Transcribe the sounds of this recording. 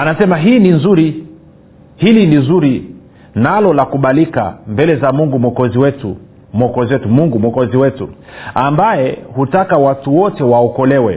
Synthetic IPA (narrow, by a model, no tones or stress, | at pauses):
anasɛmaɦiːninzuɾi | hilinizuɾi | nalɔlakuɓalika̰mbɛlɛzamuŋɡumwɔkɔziwɛtu | mwɔkɔziwɛtumuŋɡumwɔkɔziwɛtuambajɛhutakawatuwɔtɛwaɔkɔlɛwɛ